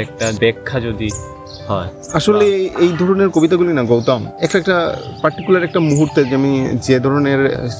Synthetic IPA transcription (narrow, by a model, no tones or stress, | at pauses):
ɛk̚ʈabɛkʰːad͡ʑod̪i | hɔe | aʃoleejd̪ʱɔɾoneɾkobit̪aɡulinaɡowt̪amɛkʈaɛk̚ʈapaɾʈikulaɾɛk̚ʈamuɦuɾt̪ed͡ʑamid͡ʑed̪ʱɔɾoneɾ